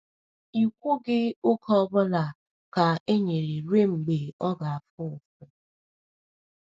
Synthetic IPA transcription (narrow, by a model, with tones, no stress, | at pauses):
i˨kʷu˦ɡɪ˦ʊ˦kʰɔ˦bʊ˦la˨ | ka˨e˦ɲe˨ɾe˨ɾe˦ŋ͡m̩˨ɡ͡be˨ɔ˦ɡa˨a˨fʊ˦˨fe˨